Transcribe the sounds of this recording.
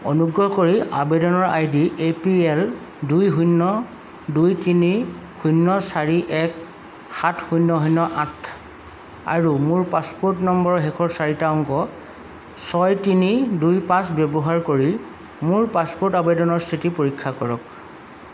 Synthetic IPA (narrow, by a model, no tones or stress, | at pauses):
o̰nuɡɹɔɦkoɹiabedɔnɔɹajdiʔepiɛl | dujɦujnːɔ | dujtinihujnːɔsaɹiʔɛk | xatʰxujnːɔɦɔjnɔʔãtʰ | a̰ɹumuɹpaspoɹtnɔmbɔɹɔɦɛkʰɔɹsaɹitaɔŋɡɔ | sɔjtinidujpãsbɛbɔɦaɹkoɹi | mʊɹpaspɔɹtabedɔnɔɹstʰitipoɹikʰːakɔɹɔk